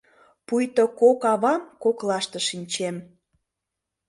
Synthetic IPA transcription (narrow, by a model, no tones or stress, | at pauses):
pujt̪okokɑβɑmkoklɑʃt̪ə̆ʃinʲt͡ɕem